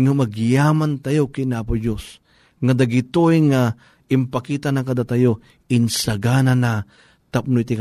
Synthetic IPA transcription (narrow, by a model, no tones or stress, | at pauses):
ŋomɐɡjamant̪ajokɪnapʊd͡ʒos | ŋad̪aɡit̪oʔjŋa | ɪmpakiːt̪anakad̪at̪ajo | ɪnsaɡanana | t̪ap̚nojt̪ik